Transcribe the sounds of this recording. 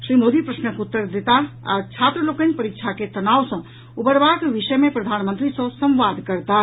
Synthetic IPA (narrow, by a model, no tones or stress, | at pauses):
sɾimod̪ipɾəsnəkut̪ːəɾd̪et̪aa̰t͡ʃʰat̪ɾəlokənpəɾik̚t͡ʃʰaket̪ənawsə̃ | ubəɾbakʋisəjmepɾəd̪ʱanmənt̪ɾisə̃sə̃mʋad̪kəɾt̪a